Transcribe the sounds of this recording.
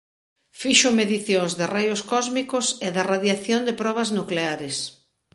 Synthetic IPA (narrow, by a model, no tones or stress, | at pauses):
fiʃʊmeðiθjoŋzðɪrejʊskɔzmikʊseðaraðjaθjond̪ɪpɾɔβ̞ɐznukleaɾɪs